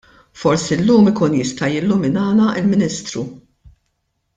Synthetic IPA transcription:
fɔɾsiɪlːuːmɪkuːnjɪst̪ɐjɪlːʊmɪnɐːnɐʔɪlmɪnist̪ɾṵ

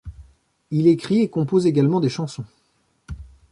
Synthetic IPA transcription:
ilekχiekɔ̃pozeɡalmɑ̃d̪eʃɑ̃sɔ̃

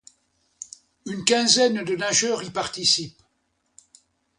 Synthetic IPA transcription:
ynkʲɛ̃zɛnd̪ənaʒœʁipaʁt̪isip

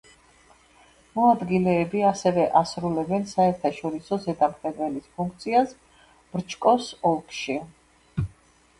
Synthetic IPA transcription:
mɔad̪ɡilɛːbiasɛvɛʔasɾulɛbɛnsaɛɾt̪ʰaʃɔɾisɔzɛd̪amχɛd̪vɛlispʰũŋkʰt̪sʰias | b̥ɾt͡ʃʰkʼɔsɔlˠkʰʼʃi

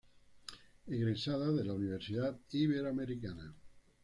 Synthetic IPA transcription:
eɣɾesaðaðelauniβ̞eɾsiðat̪iβeɾameɾikana

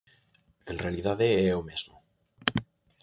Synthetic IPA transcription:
kenrealiðaðeeomezmo

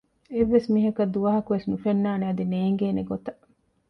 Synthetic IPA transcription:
eʋːesmiːɦɐkɐd̪uʋɐɦɐkuʋesnufenːaːneɐd̪ineːŋɡeːneɡot̪ɐ

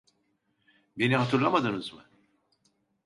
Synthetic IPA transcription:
beniɦat̪ʰɯɾlˠamad̪ɯnɯzmɯ̰

